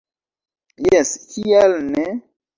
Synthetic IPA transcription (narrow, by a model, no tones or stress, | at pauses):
jeskialne